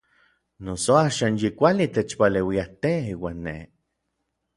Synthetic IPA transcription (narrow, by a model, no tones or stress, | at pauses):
nosoaːʃaːnjikʷalit̪et͡ʃpalewiaht̪eiːwaːnːḛ